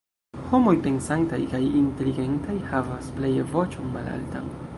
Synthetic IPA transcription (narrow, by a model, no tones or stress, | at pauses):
ho̞mo̞jpe̞nsantajkajinte̞liɡentajhavasplejevo̞t͡ʃonmala̰lta̰ŋ